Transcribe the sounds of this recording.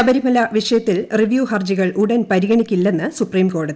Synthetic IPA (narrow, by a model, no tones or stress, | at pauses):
ɐbɐɾimɐlɐʋiʂɐjɐt̪ːilriʋjuːhɐrd͡ʑiɣɐɭʔuɽɐnpɐɾiɣɐɳikʲːilːe̞nːɨsupriːmko̞ːɽɐðii